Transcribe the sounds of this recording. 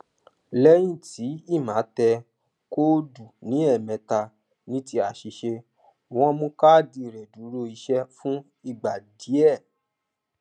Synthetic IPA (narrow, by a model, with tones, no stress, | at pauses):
lɛ˦j̃ĩ˦˨tʰi˨˦i˦˨mã˨˦tɛ˧ | ko˦du˨nĩ˨˦ɛ˦˨mɛ̃˨˧ta˧ | nĩ˦ti˧˦a˨ʃi˨˧ʃe˧ | w̃ɔ̃˦˧mũ˦ka˦˨di˧˨ɾɛ˨du˨˦ɾo˧˦i˧ʃɛ˦fũ˦ | i˦˨ɡ͡ba˨di˨˦ɛ˦˨